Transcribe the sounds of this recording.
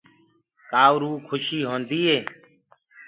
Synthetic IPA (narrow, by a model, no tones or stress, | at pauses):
kaːwɾuːkʰʊʃiːɦõːnd̪iːɦeː